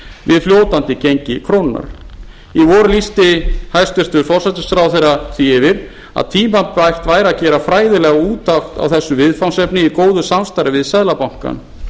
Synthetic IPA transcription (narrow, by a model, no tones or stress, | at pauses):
vɪðfljoːwt̪ant̪ɪcejɲcɪkʰɾownɪna̰ɾ̥ | ivɔɾʏlist̪ɪhajst̪ʏr̥t̪ʏɾ̥fɔr̥sɛt̪ʏsfɾawθejɾaθiɪvɪɾ̥ | a̰ðt̪ʰiːmapajr̥t̪vaːjɾacɛːɾafɾaːjðɪlɛɣauːt̪axt̪a̰wθɛsːʏvɪðfawnsɛpnɪikoːwðʏsamst̪ajɾɪvɪðsɛðlapawŋ̥ka̰n